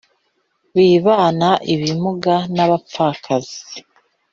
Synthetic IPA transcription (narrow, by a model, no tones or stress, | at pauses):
βiːβaːnaʔiβimuɡanaβap͡fakʰazi̥